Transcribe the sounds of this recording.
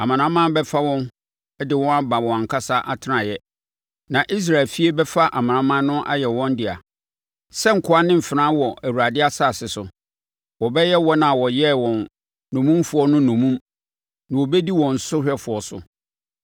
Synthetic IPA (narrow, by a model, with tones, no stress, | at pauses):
a˨mã˨nã˦mã˦bɛ˦fa˦wɔ̃˦n | ɛ˦dɪ˨wɔ̃˦a˦ba˨wɔ̃˨a˨ŋ̩˨kʰa˦sa˦ʔa˦˨tʰɪ˨˦nã˨jɛ˦ | nã˨ʔi˦s̬ɾa˨ɪ˨lfi˦e˦bɛ˦fa˦ʔa˨mã˨nã˨˦mã˦nʊ̃˦ʔa̰˦jɛ˨wɔ̃˦n˦dɪ˨a̰˨ | sɛ˦ŋ̩˨kʰʊ˨˦a˦nɪ̃˦m̩˨fɪ˨nã˦wɔ˨ʔæ˨wu˨ɾa˨dɪ˦a˦sa˦˨sɪ˨sʊ˨ | wɔ˨bɛ˦jɛ˦wɔ˦nã˨wɔ˨jɛ˦wɔ̃˨nː | ɔ̃˨mũ˦mfʊ˨ɔ˦nʊ̃˦nɔ̃˨mũ˦m | nã˨wɔ˨bɛ˦di˦wɔ̃˨n̩˨sʊ˦hɛ˦fʊ˨ɔ˦sʊ̰˨